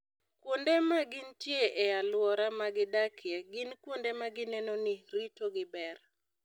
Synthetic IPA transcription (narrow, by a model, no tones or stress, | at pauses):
kwondemaɡɪntjeʔɛalwɔɾamaɡɪdakɪjɛɡɪnkwondemaɡɪnɛnoniɾitoɡɪbɛr